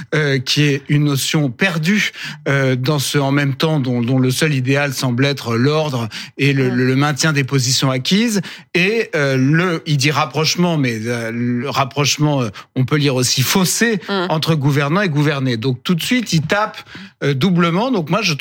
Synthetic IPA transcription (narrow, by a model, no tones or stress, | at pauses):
økʲʰiɛynːɔsjɔ̃pɛʁd̪yød̪ɑ̃səɑ̃mɛmt̪ɑ̃d̪ɔ̃d̪ɔ̃ləsœlid̪ealsɑ̃blɛt̪χəlɔʁd̪ʁelələmɛ̃t̪jɛ̃d̪epozisjɔ̃akʲizeøləild̪iʁapχɔʃmɑ̃mɛaləʁapχɔʃmɑ̃øɔ̃pøliʁosifoseɑ̃t̪χəɡuvɛʁnɑ̃eɡuvɛʁned̪ɔ̃k̚t̪ut̪sɥit̪ilt̪apød̪ubləmɑ̃d̪ɔ̃kmwaʒə